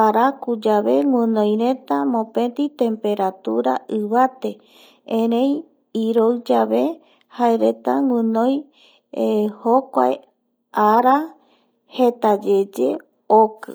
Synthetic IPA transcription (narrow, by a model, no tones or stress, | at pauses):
aɾakud͡ʒaβe̞ŋɨ̃nõj̃ɾe̞t̪amõpẽ̞t̪it̪ẽmpe̞ɾat̪uɾa̰ʔɨβat̪e | ẽɾẽj | iɾowd͡ʒaβe | haeɾe̞t̪aŋʷɨ̃nõj | hokʷa̰e | aɾa | het̪ad͡ʒe̞d͡ʒḛ | okɨ